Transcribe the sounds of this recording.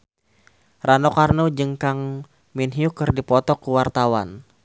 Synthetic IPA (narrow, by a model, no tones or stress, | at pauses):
ranɔkarnud͡ʒəŋkaŋ | minɦiukɨrdipɔt̪ɔkuwart̪awan